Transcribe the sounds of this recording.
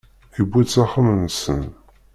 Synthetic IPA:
əbʷːæt͡sːaχəmənsə̰n

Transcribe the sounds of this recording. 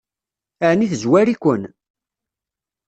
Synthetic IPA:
aʕniθəzwæɾikʷːən

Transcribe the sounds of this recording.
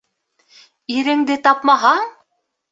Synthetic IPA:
iɾɘ̆ŋd̪ɘt̪ɑpmɑɦɑ

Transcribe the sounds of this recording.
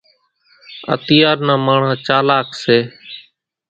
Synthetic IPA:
ə̰t̪ɪjaːɾnãːmaːɳ̤ãːt͡ʃaːlaːkʰseː

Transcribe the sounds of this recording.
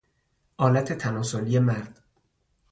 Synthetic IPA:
ʔɒːlæt̪ʰe̞t̪ʰænɒːsoːliːje̞mæɾd̪̥

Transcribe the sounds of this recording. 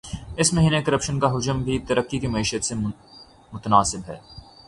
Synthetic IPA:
ɪsmɐɦiːnekɐɾəpʃənkaɦʊd͡ʒəmbʱit̪ɐɾəkːikimɐiːʃət̪se | mʊt̪ənaːsɪbɦɛ̰ː

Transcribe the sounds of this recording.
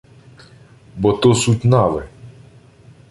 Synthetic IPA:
bɔt̪ɔsutʲnɑlɪ

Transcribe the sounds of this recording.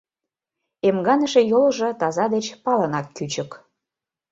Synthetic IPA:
emɡɑnəʃe̽jolʒɤ̆t̪ɑzɑd̪et͡ɕpɑlənɑkːyt͡ɕək

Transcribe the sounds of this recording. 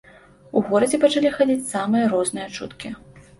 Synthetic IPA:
uɣɔɾɐd͡zʲɛpɐt͡ʂalʲixad͡zʲit͡sʲsamɨjɐɾɔznɨjɐt͡ʂṵt̪kʲi

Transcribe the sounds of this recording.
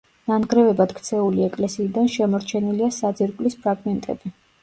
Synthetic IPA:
nanɡɾɛvɛbad̪kʰt̪sʰɛuliɛkʼlɛsiːd̪anʃɛmɔɾt͡ʃʰɛniliasad̪ziɾkʼlispʰɾaɡmɛnt̪ʼɛ̰bi

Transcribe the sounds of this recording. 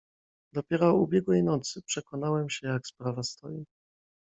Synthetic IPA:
d̪ɔpʲjɛɾɔubʲjɛɡwɛjnɔt̪sɘpʂɛkɔnawɛmɕɛjakspɾavast̪ɔji

